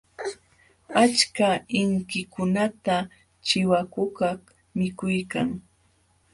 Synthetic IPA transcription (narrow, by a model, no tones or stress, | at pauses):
at͡ʃkaɪŋkɪkʊnat̪a | t͡ʃɪwakʊkah | mɪkʊjkaŋ